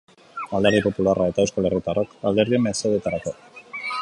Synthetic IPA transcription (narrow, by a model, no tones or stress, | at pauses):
ald̪aɾðipo̞pularaet̪aewskale̞rit̪arʔokald̪e̞ɾðiemesoðet̪aɾako̞